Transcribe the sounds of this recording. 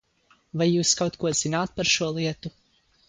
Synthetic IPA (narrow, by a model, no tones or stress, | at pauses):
vajːuːskawt̪kʰuɔz̥inaːt̪̚paɾʃuɔlˠiɛt̪u